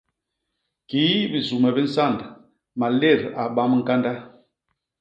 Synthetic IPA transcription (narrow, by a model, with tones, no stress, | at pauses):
ki˨˦bi˨zu˨mɛ˨bi˦n̩˦sa˦˨nd | ma˨le˦˨ɾa˨ɓa˦m˦ŋ̩˦ka˦nda˦